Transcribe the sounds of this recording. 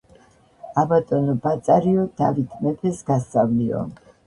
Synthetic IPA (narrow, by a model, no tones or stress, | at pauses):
abat̪ʼɔnɔbat̪sʼaɾiɔd̪avit̪ʰmɛpʰɛsɡast̪sʼavliɔ̰